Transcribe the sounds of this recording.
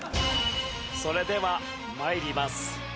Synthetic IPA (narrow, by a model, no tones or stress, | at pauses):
so̞ɾe̞d̪e̞βa | maiɾʲimasɨ̥